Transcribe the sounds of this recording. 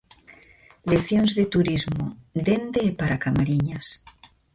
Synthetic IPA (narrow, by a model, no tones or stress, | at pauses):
le̞sjonzðe̞t̪uɾizmod̪e̞nd̪eːpaɾakamaɾiɲas